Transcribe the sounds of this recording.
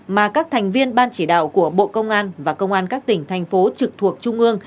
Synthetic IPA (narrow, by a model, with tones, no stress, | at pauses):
maː˨˩kaː˦˥k̚t̪ʰɛ˨˩jŋ̟vi˧ənɓaː˧nt͡ɕi˧˩ɗa̰ː˧˨wku˧˩əɓo̰˧˨kə˧wŋ͡mʔaː˧nvaː˨˩kə˧wŋ͡mʔaː˧nkaː˦˥k̚t̪ï˧˩ŋ̟t̪ʰɛ˨˩jŋ̟fo˨˦t͡ɕɨ˨˩k̚t̪ʰu˨˩ək̚t͡ɕʊ˧ŋ͡mʔɨ˧əŋ